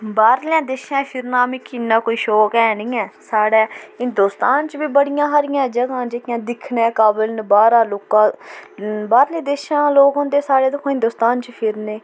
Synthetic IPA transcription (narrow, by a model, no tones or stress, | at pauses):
baːɾlãːd̪eːʃãːpʰɪɾnãːmɪkːɪnːãːkoːiːʃoːkɛːnĩːɛːsaːɽaːɪ̃nd̪oːst̪aːnt͡ʃbiːbəɽɪjãːɦəɾɪjãːd͡ʒəɡãːd͡ʒekjãːd̪ɪkʰnẽːkaːbəlnbaːɾaːloːkãː | baːɾleːd̪eːʃãːloːkɦõːnd̪eːsaːɽeːd̪əkʰõːɦɪ̃nd̪oːst̪aːnt͡ʃpʰɪɾneː